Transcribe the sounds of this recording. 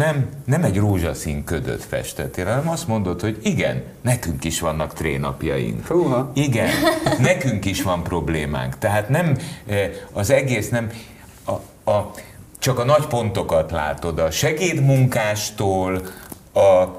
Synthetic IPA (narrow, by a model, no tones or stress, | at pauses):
nɛmnɛmɛɟroːʒɒsiŋkød̪ø̰t̪fɛ̰ʃt̪ɛt̪ːeːlɦɒnɛmɒst̪mo̞nd̪o̞t̪ho̞ɟiɡɛ̰nːɛkyŋkiʃʋɒnːɒkt̪reːnɒ̰pjɒ̰jḭŋkoːiɡɛnːɛkyŋkiʃʋɒmpro̞bleːma̰ːŋkt̪ɛɦaːt̪nɛm | ɒzɛɡeːsnɛm | ɒ | ɒ | t͡ʃɒkɒnɒcpo̞nt̪o̞kɒt̪la̰ːt̪o̞d̪ɒʃɛɡeːd̪muŋkaːʃt̪oːl | ɒ